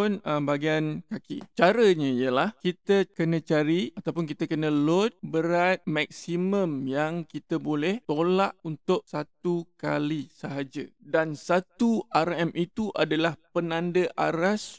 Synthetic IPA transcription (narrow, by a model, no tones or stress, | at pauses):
ʊnəmbaɡiankakḭt͡ʃaɾəɲə̃ijəlahkit̪əkənə̃t͡ʃaɾiat̪awpʊnkit̪əkənə̃lɔt̪̚bəɾat̪̚mak̚simə̃mjaŋkit̪əbolɛht̪olaʔunt̪ʊʔsat̪uka̰lisəɦad͡ʒədansat̪uʔarɛmʔit̪uʔadalahpənãndəʔa̰ɾas